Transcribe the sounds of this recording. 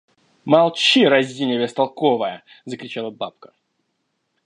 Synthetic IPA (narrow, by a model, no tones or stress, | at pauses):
mɐlˠt͡ɕiɾɐzʲdʲinʲɪvʲɪst̪ɐlˠkovəjə | zəkɾʲɪt͡ɕalˠəbapkə̥